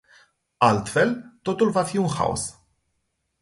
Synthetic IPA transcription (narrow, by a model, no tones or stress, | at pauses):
ɐlt̪fɛlt̪ot̪ulvɐfiːunxɐ̰ɔ̰s